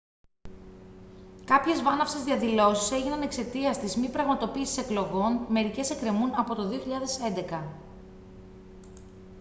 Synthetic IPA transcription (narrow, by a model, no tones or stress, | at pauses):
kɐpçe̞zvɐnɐfsezðiɐðilo̞sise̞ʝinɐne̞kse̞t̪iɐst̪izmipɾɐɣmɐt̪o̞piːsi̥se̞klo̞ɣo̞nme̞ɾice̞se̞kɾe̞munɐpo̞t̪o̞ðio̞çiʎɐðe̞se̞nd̪e̞kɐ